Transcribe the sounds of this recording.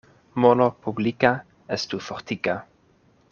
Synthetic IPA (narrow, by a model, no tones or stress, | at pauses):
molopublika | ɛst̪ufɔʁt̪ika